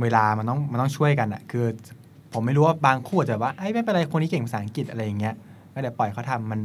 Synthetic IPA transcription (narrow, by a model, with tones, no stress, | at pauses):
weː˧laː˧ma˧nt̪ɔ˥˩ŋma˧nt̪ɔ˥˩˨t͡ɕʰu˥˩əjka˧nʔa̰˨˩kʰɯː˧ | pʰo˩˦ma˥˩jɾuː˦˥waː˥˩baː˧ŋkʰu˥˩˨t͡ɕa˩bɛ˨˩waː˥˩ʔa˥˩jma˥˩pe˧n˧a˧jkʰo˧nːiː˦˥ke˨˩ŋpa˧saː˨˦˩a˧˦ŋki˨˩t̪̚ʔa˧ɾa˧jːa˨˩ŋːi˦˥ɐ | kɔ˥˩da˥˩pɔ˨˩jkʰa˥˩t̪ʰa˧mːa˧n